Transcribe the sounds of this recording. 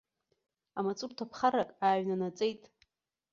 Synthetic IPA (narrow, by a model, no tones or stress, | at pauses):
amat͡sʼurtʰapʰχarakʼaːɥnanat͡sʼejtʼ